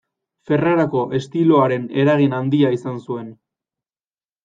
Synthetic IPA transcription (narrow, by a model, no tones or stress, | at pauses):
fe̞raɾako̞ʔe̞st̪ilo̞aɾe̞ne̞ɾaɣ̞inand̪iaisansue̞n